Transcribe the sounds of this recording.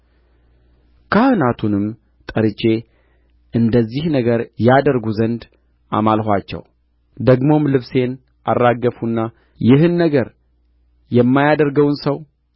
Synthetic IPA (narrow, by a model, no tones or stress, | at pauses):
kʰəhɨnat̪ʰunɨm | t̪ʼəɾɨt͡ʃʼe̞ | ʔɨnd̪əzːihnəɡəɾjad̪əɾɡuzənd̪ | a̰malhʷat͡ʃːɛ̰w | d̪əɡmo̞mlɨβse̞n | ʔarːaɡːəfunːa | jɪɦɨnːəɡəɾ | jɛmːajad̪əɾɡəwnsəw